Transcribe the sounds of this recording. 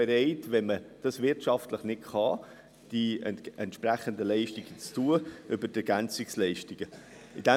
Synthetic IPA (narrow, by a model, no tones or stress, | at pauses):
ɛɾɛɪtvɛnməd̥ɑsvɪɾtʃɑftləχnɪtχɑ | d̥iɛɛntʃpræχəndəlɛɪʃtiɡ̥ət͡stuːəʔʏbəɾdɛɡænt͡sɪkslɛɪʃtiɡ̥ə | ɪd̥ɛ